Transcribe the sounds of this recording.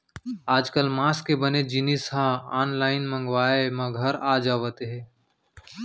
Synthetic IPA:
aːd͡ʒkəlmaːskebəned͡ʒinisɦãaːnlaːɪnmə̃ŋɡʋaːemɐ̃ɡʱəɾaːd͡ʒaːʋət̪eɦɛ̃ː

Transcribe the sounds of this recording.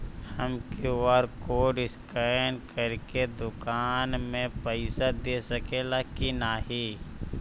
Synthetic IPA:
həmkeəɾkoɖɪskankəɾked̪ʊkaːnmẽpəɪsad̪esəkelakinaːɦi

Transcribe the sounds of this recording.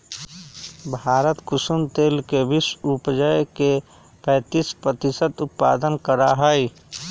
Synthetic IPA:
bʱaːɾət̪kʊsumt̪eːlkeʋɪsʊpd͡ʒəjke | pɛ̃ːt̪iːspɾət̪ɪsət̪ʊt̪̚pa̰ːd̪ənkəɾaɦəj

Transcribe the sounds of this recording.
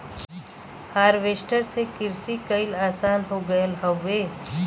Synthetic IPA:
haːɾʋeːsʈəɾsekɪɾsikəɪlaːsaːnɦoɡəjəlɦəʋeː

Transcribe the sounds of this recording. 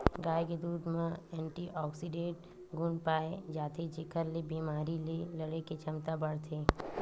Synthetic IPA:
ɡaːjked̪uːd̪mẽɛ̃ːɳʈiʔɔːksiɖeːʈ | ɡʱʊnpaːed͡ʒaːt̪ʰet͡ʃɪkʰəɾlebiːmaːɾilelɐɽeket͡ʃʰɐmt̪abɐɽt̪ʰeː

